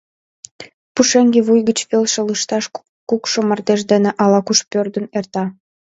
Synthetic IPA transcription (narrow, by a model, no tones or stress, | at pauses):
puʃeŋɡeβujɣət͡ɕβelʃĕlɯʃt̪ɑʃ | kukʃomərd̪eʃ̬d̪eneʔɑlɑkuʃpørd̪ənert̪ɑ